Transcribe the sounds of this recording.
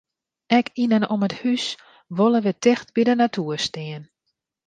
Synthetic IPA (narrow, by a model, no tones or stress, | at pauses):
ɛkinənoməthys | ʋolˠəʋətʰɪxt̚bidənatʰuːəstɪən